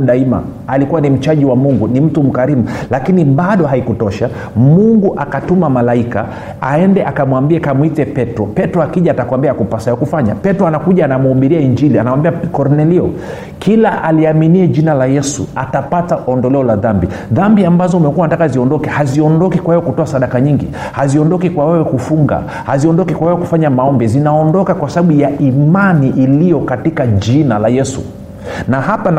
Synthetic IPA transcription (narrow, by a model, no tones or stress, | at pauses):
ɗaima̰ | alikuwanim̩t͡ʃaʄiwamuŋɡunim̩tum̩kaɾimulakiniɓaɗɔhaikutɔʃa | muŋɡuʔakatumamalaika̰ | a̰ɛndɛʔakamwambiɛkamwitɛpɛtɾɔpɛtɾɔakiʄaːtakwambiakupasaɔkufaɲa̰pɛtɾɔanakuʄaːnamuːɓiɾiaiɲd͡ʒilianawambiakɔɾnɛliɔ | kʰilaʔaliaminiɛʄinalajɛsṵatapataʔɔndɔlɛɔlaðambiðambiambazɔumɛkuwanatakaziɔndɔkɛhaziɔndɔkikwahɛjɔkutɔasaɗakaɲiŋɡḭ | haziɔndɔkikwawɛwɛkufuŋɡa̰ | haziɔndɔkikwawɛwɛku̥faɲamaɔmbɛzinaɔndɔkakwasaɓaɓujaimaniʔilijɔkatikad͡ʒinalajɛsṵ | nahapan